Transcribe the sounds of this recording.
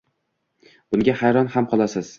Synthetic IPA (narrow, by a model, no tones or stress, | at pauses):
b̥ʊŋɡʲahajɾɒnhamqʰɒlˠasɪz̥